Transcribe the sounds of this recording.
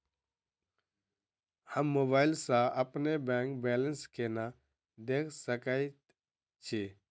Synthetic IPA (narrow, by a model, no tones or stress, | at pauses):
həmːoːbaːɪlsãəpnebɛ̃ŋk̚belənskena | d̪eːkʰsəkət̪ | t͡ʃʰi